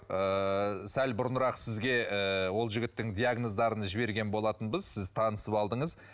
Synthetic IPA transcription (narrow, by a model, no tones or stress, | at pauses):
əsælbʊɾənɾɑqsɪzɡʲe̞əwo̞lˠʒɪɡʲɪt̪ːɪŋd̪ijaɡno̞zd̪ɑɾənəʒɪbe̞ɾɡʲe̞nbo̞lˠɑt̪ənbəzsɪzt̪ʰɑnəsəpɑlˠd̪əɴəz